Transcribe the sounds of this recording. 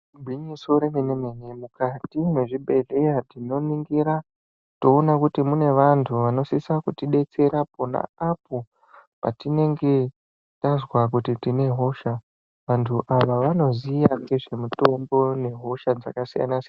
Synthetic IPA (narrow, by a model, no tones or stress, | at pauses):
bʱinisoɾemenemenemukatimwe̞ʐiɓe̞ɮe̞jadino̞niŋɡiɾa | to̞ːnakutimune̞ʋantʰuʋano̞sisakutiɗe̞t͡se̞ɾapona̰apo̞ | pa̰tine̞ŋɡe̞ | tazwak̬utitine̞ɦo̞ʃa | ʋantʰuʔaʋaʋano̞zijakeʐe̞muto̞mbo̞ne̞ɦo̞ʃad͡za̰kasija̰nasian